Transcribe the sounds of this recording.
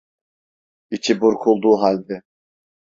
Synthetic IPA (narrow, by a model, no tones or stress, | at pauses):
it͡ʃʰibuɾkʰulˠd̪uːɦalʲd̪ɛ